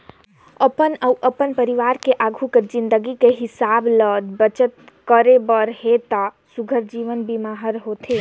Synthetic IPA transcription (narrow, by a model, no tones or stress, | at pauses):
əpənəuʔəpənpəɾiʋaːɾkeʔaːɡʱuked͡ʒɪ̃nd̪əɡikeɦɪsaːbləd̪bət͡ʃət̪̚ | kəɾebəɾɦet̪a | suɡʱəɾd͡ʒiʋənbimaːɦəɾɦot̪ʰe